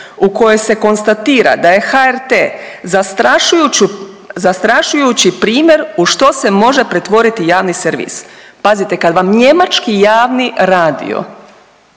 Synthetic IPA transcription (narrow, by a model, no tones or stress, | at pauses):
uko̞jo̞jse̞ko̞nst̪at̪iːɾa̰d̪aje̞xaeɾt̪ezast̪ɾaʃujut͡ɕu | zast̪ɾaʃujut͡ɕipɾiːmʲje̞ɾuʃt̪o̞se̞mo̞ʒe̞pɾe̞t̪ʋo̞ɾit̪ijaːʋniseɾʋḭspazit̪e̞kad̪ʋamɲe̞mat͡ʃkijaːʋniɾaːd̪ḭo̞̰